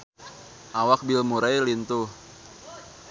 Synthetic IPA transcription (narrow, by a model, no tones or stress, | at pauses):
ʔawak̚bilmuɾajlint̪uh